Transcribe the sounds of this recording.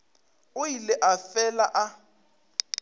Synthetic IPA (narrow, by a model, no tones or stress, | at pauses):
ʊjilɪʔafɛlaʔa